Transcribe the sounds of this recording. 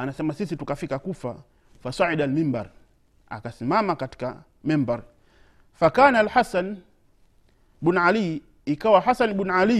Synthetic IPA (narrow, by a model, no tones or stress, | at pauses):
anasɛmasisitukafikakufa | fasaʕidalmimbaɾ | a̰kasimamakati̥ka | mɛmbaɾ | fakaːnalħasan | ɓunʕali | ikawahasanɓunʕali